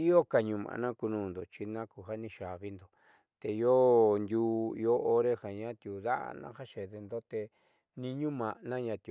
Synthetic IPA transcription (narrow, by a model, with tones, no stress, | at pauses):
i˦o˦ka˨ɲũ˧mã̰˨˧nã˦ku˧nũː˧˨nd̪o˨t͡ʃi˧nã˦ku˧˨ɦa˦nĩ˧ʃa˨βi˧˦nd̪o˨ | t̪e˨˧jo˦nd̪ʲuː˦ḭ˧o˦ʔo˦ɾe˦ha˨ɲã˦t̪ju˨ða˦ʔa̰˧nã̰˦ha˦ʃe˨ðe˧nd̪o˦t̪e˧ | nĩ˧ɲũ˦mã˨ʔnã˦ɲã˧t̪ju˧˨